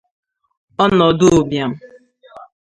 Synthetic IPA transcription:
ɔ˦nɔ˨dʊ˦˨bja˨m̩˦

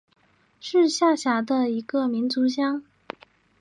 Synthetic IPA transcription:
ʂɻ̩˥˧ɕja˥˩ɕja˧˥d̪ə˧i˧˥ɡə˧mi˧˥nt͡su˧˥ɕjɑ˥ŋ

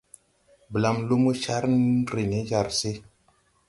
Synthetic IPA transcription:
bə˨la˨mlu˦mu˦ʃa˦ɾnɾe˨ne˨˦d͡ʒa˨ɾse˦

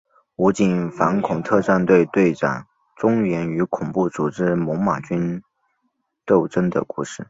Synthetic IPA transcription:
u˧˥t͡ɕi˥˩nfa˧˥nkʰʊ˨˩ŋt̪ʰɤ˥˧t͡sa˥˧nt̪we˥˧ɪt̪we˥˩ɪʈ͡ʂa̰˨˩n | ʈ͡ʂʊ˥ŋɥɛ˧˥ny˧˥kʰʊ˨˩ŋpu˥˩t͡su˨˩ʈ͡ʂɻ̩˥mʊ˧˥ŋma˨˩t͡ɕy˥n | t̪o˥˩ʊʈ͡ʂə˥nd̪ə̰˨ku˥˧ʂɻ̩˥˩

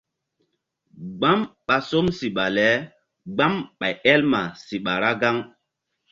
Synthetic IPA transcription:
ɡ͡ba˦mɓa˨so˦msi˨ɓa˨lɛ˨˦ | ɡ͡ba˦mɓa˨jɛ˦lma˨si˨ɓa˨ɾa˦ɡa˦ŋ

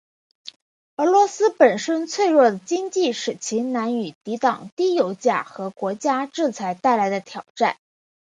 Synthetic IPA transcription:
ə˞˧˥lwɔ˧˥sɹ̩˥pə˨˩nʂə˥nt͡sʰwe˥˧ɪɻwɔ˥˩d̪ə˩t͡ɕi˥ŋt͡ɕi˥˩ʂɻ̩˨˩t͡ɕʰi˧˥na˧˥ny˨˩t̪i˧˥t̪ɑ˨˩ŋt̪i˥jo˧˥ʊt͡ɕja̰˥˩xɤ˧˥kwɔ˧˥t͡ɕja˥ʈ͡ʂɻ̩˥˩t͡sʰa˧˥ɪt̪a˥˩ɪla˧˥ɪd̪ə˧t̪ʰjɑ˨˩ʊʈ͡ʂa̰˥˩n

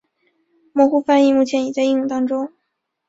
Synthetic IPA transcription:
mwɔ˧˥xu˥˧fa˥ni˥˧mu˥˩t͡ɕʰjɛ˧˥ni˨˩t͡sa˥˧i˥˧ŋjʊ˥˩ŋt̪ɑ˥ŋʈ͡ʂʊ˥ŋ

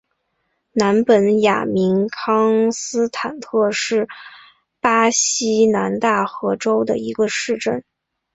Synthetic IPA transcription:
na˧˥npə˧˥nja̰˨˩mi˧˥nkʰɑ˥ŋsɹ̩˥t̪ʰa˨˩nt̪ʰɤ˥˧ʂɻ̩˥˩ | pa˥ɕi˥na˧˥nt̪a˥˩xɤ˧˥ʈ͡ʂo˥ʊd̪ə̰˨i˧˥ɡə˧ʂɻ̩˥˧ʈ͡ʂə˥˩n

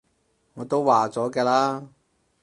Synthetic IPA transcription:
ŋɔː˨˧t̪o˥wwaː˨t͡sɔː˨˥kɛː˧laː˥

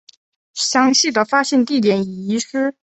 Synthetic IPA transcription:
ɕjɑ˥ŋɕi˥˩d̪ə˩fa˥ɕjɛ˥˧nt̪i˥˩t̪jɛ˨˩˥ni˨˩i˧˥ʂɻ̩˥

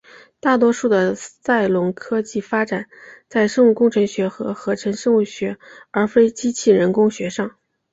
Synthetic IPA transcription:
t̪a˥˩t̪wɔ˥ʂu˥˩d̪ə˩sa˥˩ɪlʊ˧˥ŋkʰɤ˥t͡ɕi˥˩fa˥ʈ͡ʂa˨˩˦nt͡sa˥˧ɪʂɤ˥˧ŋu˥˩kʊ˥ŋʈ͡ʂʰɤ˧˥ŋɕɥɛ˧˥xɤ˧˥xɤ˧˥ʈ͡ʂʰə˧˥nʂɤ˥ŋu˥˩ɕɥɛ˧˥ə˞˧˥fe˥ɪt͡ɕi˥t͡ɕʰi˥˩ɻə˧˥nkʊ˥ŋɕɥɛ˧˥ʂɑ˥˩ŋ

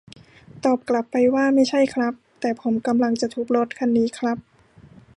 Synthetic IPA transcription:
t̪ɔː˨˩p̚kla˨˩pːa˧jwaː˥˩ma˥˩jt͡ɕʰa˥˩jkʰɾa˦˥p̚t̪ɛː˨˩pʰo˩˦mka˧mla˧ŋt͡ɕa˨˩t̪ʰuː˨˩k̚lo˦˥t̪̚kʰa˧nːiː˦˥kʰɾa˦˥p̚

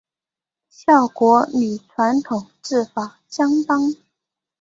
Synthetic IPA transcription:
ɕjɑ˥˩ʊkwɔ˧˥ly˨˩ʈ͡ʂʰwa˧˥nt̪ʰʊ˨˩ŋʈ͡ʂɻ̩˥˩fa˨˩˦ɕjɑ˥ŋt̪ɑ˥ŋ

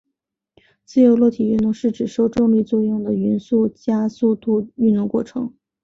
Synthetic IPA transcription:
t͡sɹ̩˥˧jo˧˥ʊlɔ˥˩t̪ʰi˨˩y˥˧nt̪ʊ˥˧ŋʂɻ̩˥˩ʈ͡ʂɻ̩˨˩ʂo˥˧ʊʈ͡ʂʊ˥˧ŋli˥˧t͡swɔ˥˧jʊ˥˩ŋd̪ə˩y˧˥nsu˥˩t͡ɕja˥su˥˧t̪u˥˧y˥˧nt̪ʊ˥˧ŋkwɔ˥˩ʈ͡ʂʰɤ˧˥ŋ

